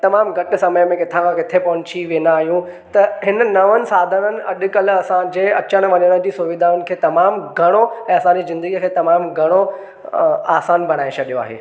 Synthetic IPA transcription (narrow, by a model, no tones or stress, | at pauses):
t̪ɐmaːmɡʱɐʈɪsɐməjmẽkɪt̪ʰaãkɪt̪ʰepɐnt͡ɕʰiʋeːnaːɦijũ | t̪ɐɦɪnənɐʋənɪ̆saːd̪ʱənənɪ̆ʔɐɗʊ̆kɐl̆ɐsãd͡ʑeːɐt͡ɕəñ̆ʋɐɲəɽ̃ə̃d͡ʑisʊʋɪd̪aːʊnɪ̆kʰeːt̪ɐmaːmɡʱɐɽ̃oɛ̃ːɐsãːnizɪ̃nd̪əɡijəkʰeːt̪ɐmaːmɡʱɐɽ̃o | aːsaːnbʱɐɽ̃aːẽt͡ɕʰɐɗijoa̰ːɦḛː